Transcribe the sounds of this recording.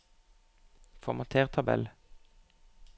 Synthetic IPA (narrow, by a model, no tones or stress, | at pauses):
fɔʁmɑt̪ʰeːʁt̪ʰɑbɛ̰l